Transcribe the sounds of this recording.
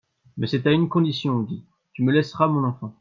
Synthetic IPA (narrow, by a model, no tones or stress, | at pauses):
mɛsɛt̪aynkɔ̃d̪isjɔ̃d̪i | t̪yməlɛsʁamɔ̃nɑ̃fɑ̃